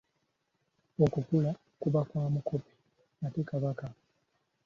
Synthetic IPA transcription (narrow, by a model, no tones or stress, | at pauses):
okukula | kuβakwaːmukopi̥ | natekaβaka